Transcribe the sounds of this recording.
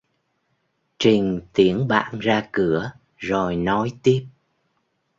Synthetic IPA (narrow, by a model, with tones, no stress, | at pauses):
t͡ɕï˨˩ŋ̟t̪i˨˧˩ənɓa̰ː˧˨nzaː˧kɨ˧˩ə | zo˨˩jnɔ˨˦jt̪i˦˥əp̚